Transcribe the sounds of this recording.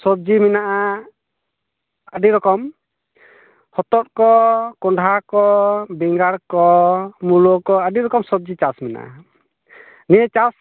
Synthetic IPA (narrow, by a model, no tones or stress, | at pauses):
sɔb̚d͡ʒiminaʔa | əɖiɾɔkɔm | hɔt̪ɔt̚kɔkɔɳɖʱakɔbɛŋɡaɾkɔmulokɔəɖiɾɔkɔmsɔb̚d͡ʒit͡ʃasmina̰ʔa̰ | nijət͡ʃas